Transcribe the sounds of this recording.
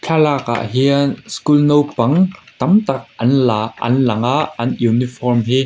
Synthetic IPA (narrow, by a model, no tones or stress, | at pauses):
t͡ɬʰalaka̰ʔɦiənskulnowpɐŋt̪ɐmt̪ɐk̚ʔɐnlaːʔɐ̰nlɐŋaʔɐnjunifɔrmɦi